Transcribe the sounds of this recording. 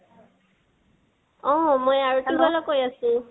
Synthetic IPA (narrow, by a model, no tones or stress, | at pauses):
ɔ̃mojaɹutibɔlɔkojasũ